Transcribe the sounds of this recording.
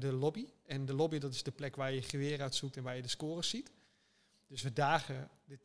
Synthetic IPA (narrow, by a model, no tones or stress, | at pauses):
dəlobiɛndəlobidɔtɪsdəplɛkʋaːjəχəʋɪəɾœɥtsuk̚tɛnʋaːjədəskoːrəsit | d̥øsʋədaːɣə | dɪt